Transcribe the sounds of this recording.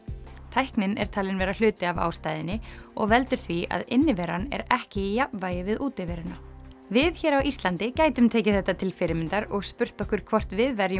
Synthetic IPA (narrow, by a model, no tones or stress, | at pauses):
t̪ʰajhknɪnɛ̰ɾ̥t̪ʰaːlɪnvɛːɾal̥ʏːt̪ɪava̰ːwst̪aːjðɪnːɪɔ̰ɣvɛlt̪ʏɾ̥θvia̰ðɪnːɪvɛːɾanɛ̰ɾɛhcɪijapmvaːjɪvɪðuːt̪ɪvɛːɾʏna | vɪðçɛːɾawʔist̪lant̪ɪcaːjt̪ʏmt̪ʰɛːcɪθɛht̪ːat̪ʰɪlfɪɾɪmɪnt̪aɾɔɣspʏr̥t̪ɔhkvʏɾ̥kʰvɔr̥t̪vɪðvɛɾjʏ